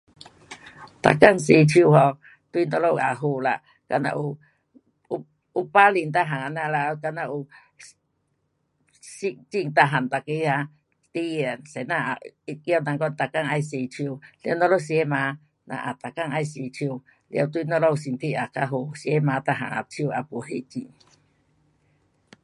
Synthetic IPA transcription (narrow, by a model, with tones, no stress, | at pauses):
t̪a̰˨ka˦˨ŋs̬i˧˨t͡ʃʰju˧hɔ˧ | t̪wi˦nɔ˧lo˦˧˨ʔa˨ɦu˧˨la˨ʔ | ka̰˧nã̰˧ʔu˧˦ | u˦pa˦li˧˨nt̪a˧ɦa˨a˧˨nã˧la˧ka˧nã˧ʔu˧ | si˧ʔt͡ʃi˦˧˨ŋt̪a˧˨ɦa˨nt̪a˨ki˧˦ha˧ | t̪i˦je˨se˨nã˧˨a˨i˧kjo˧na˧ŋko˧˦nt̪a˨ka˦˧ŋa˧jse˧˨t͡ʃʰi˧o˧la̰˧˦nɔ˧lo˦s̬je˦mã˧˦ | nã̰˧ʔa˨t̪a˨ka˦˨ŋa˧jsi˧˨t͡ʃʰi˧o˧˨ | la̰˧˨t̪u˧i˧nɔ˧lo˦˧u˧si˧nt̪ʰi˦˧ʔa˨ka˧ɦo˧˨si˧e˦mã˨˧˦t̪a˧ɦa̰˨ŋa̰˨t͡ʃʰi˧˦u˧a˧pu˨ɦe˧˨t͡ʃḭ˧ŋ